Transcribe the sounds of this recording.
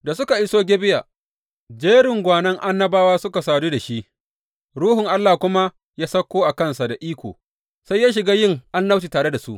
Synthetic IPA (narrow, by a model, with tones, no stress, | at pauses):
da˨sʊ˦ka˨ʔɪ˦soː˦ɡʲeː˦bɪ˦jaː˨ | d͡ʒeː˦ɽɪ˨ŋɡʷaː˨nɐ˦ŋʔa˦nːɐ˦baː˦waː˦sʊ˦ka˨saː˨duː˦da˨ʃi˦ʔ | ɾuː˦ɦʊ˨ŋʔa˦lːaː˨kʷʊ˦ma˦ | jaː˦sɐ˦kʷːoː˦ʔa˨kɐ˦nsa˨da˨ʔiː˦kʷo̰ː˨ | sa˦jːaː˦ʃ̬ɪ˨ɡaː˦jɪ˦ŋʔa˦nːa˦wt͡ʃiː˨taː˨ɽe˦da˨su˦ʔ